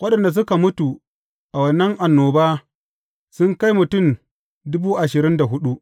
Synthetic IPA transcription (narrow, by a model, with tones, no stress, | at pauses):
wɐ˦ɗɐ˨nda˨s̬ʊ˦ka˨mʊ˦tu˨ | ʔa˨wɐ˨nːɐ˦ŋʔa˨nːoː˨baː˦ | sʊ˦ŋka˦jmʊ˨tʊ˦˨m | dʊ˦buː˦ʔa˨ʃɪ˨ɾɪ˦nda˨ɦʊ˦ɗu˦ʔ